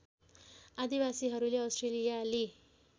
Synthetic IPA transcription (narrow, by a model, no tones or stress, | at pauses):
ad̪ibasiɦʌɾuleʌwstʈrelijale